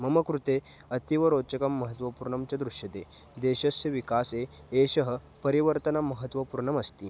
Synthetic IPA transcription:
məməkɾut̪e | ət̪iʋəɾot͡ɕəkəmːəɦət̪ʋəpuɾɳɐmt͡ɕəd̪ɾuʂjət̪e | d̪eɕəsjəʋikaseeɕəɦə | pəɾiʋəɾt̪ənaməɦət̪ʋəpuɾɳəməst̪i

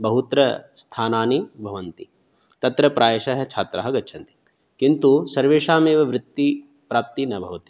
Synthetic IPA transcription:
bɐɦut̪ɾɐst̪ʰaːnaːnibʱɐʋɐnt̪i | t̪ɐt̪ɾɐpɾʔaːjeʃɐɦɛt͡ʃʰa̰ːt̪ɾa̰ɦɐɡɐtːt͡ʃʰɐnt̪i̥ | kint̪usɐɾʋeːʂaːmeːʋɐʋɾɪt̪ːi | pɾaːp̚t̪inɐbʱɐʋɐt̪i

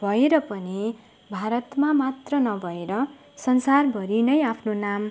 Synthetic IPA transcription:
bʱʌeɾʌpʌni | bʱaɾʌt̪mamat̪rʌnʌbʱʌeɾʌ | sʌnsarbʱʌɾinʌjapʰnonam

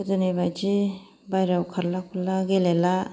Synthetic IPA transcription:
ɯdunibajd͡ʒi | bajɾawkʰaɾlakʰulaɡelela

